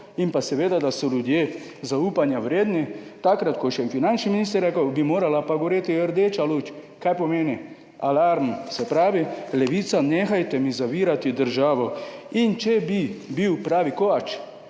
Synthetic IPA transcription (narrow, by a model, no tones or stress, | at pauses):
impasɛʋeːd̪ad̪asɔljud̪jeː | zauːpanjaʋɾeːd̪nit̪akɾat̪kɔʃjɛnfinant͡ʃniminiːst̪əɾɛkawbimoːɾalapaɡoʋoɾet̪iəɾd̪et͡ʃalut͡ʃ | kajpɔmeːni | alaɾmsɛpɾaːʋilɛʋit̪saneːxajt̪ɛmizaʋiːɾat̪id̪əɾʒaːʋɔint͡ʃɛbibiwpɾaːʋikoat͡ʃ